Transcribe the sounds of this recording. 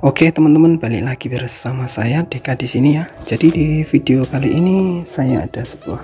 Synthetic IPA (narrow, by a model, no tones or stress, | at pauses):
oket̪əmənt̪əmənbalɪ̰k̚laɡ̥ibəɾsamasajadekadisinijad͡ʒadidifideokaliʔinisajaa̰d̥asə̥b̥uah